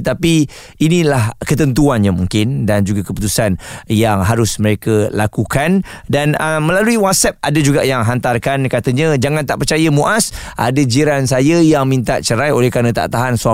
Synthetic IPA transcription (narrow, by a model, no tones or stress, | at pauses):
ət̪api | inĩlahkət̪ənt̪̬uanɲamuŋkɪndand͡ʒuɡakəput̪usanjaŋɦaɾʊsməɾekəlakukandanəmə̃laluiwat̪̚sɛp̚adəd͡ʒuɡajaŋɦant̪arkankat̪əɲə̃d͡ʒaŋant̪aʔpərt͡ʃajəmuʔasʔa̰dəd͡ʒiɾansajəjaŋmĩnt̪aʔt͡ʃəɾajolɛhkaɾnə̃t̪a̰ʔt̪aɦansua